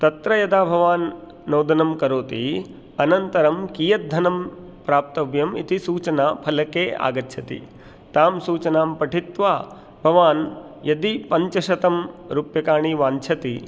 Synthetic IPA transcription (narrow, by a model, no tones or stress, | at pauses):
t̪ɐt̪ɾɐjɐd̪aːbʱɐʋaːnː | oːd̪ɐnɐmkɐɾoːt̪ḭ | ɐnɐnt̪ɐɾɐmkiːjɐt̪̚d̪ʱːɐnɐm | pɾaːp̚t̪ɐʋjɐmḭt̪isuːt͡ʃɐnaːpʰɐlɐkeːa̰ːɡɐtːʃʰɐt̪ḭ | t̪aːmsuːt͡ʃɐnaːmpɐʈʰit̪ʋaː | bʱɐʋaːn | jɐd̪ipɐɲt͡ʃɐʃɐt̪ɐmɾupjɐkaːɳiʋaːɲt͡ʃʰɐt̪i